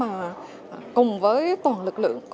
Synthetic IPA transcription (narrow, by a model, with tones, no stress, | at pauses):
aː˨˩ | kʊ˨˩ŋ͡mvəː˨˦jt̪waː˨˩nlɨ˨˩k̚lɨ̰˧˨əŋk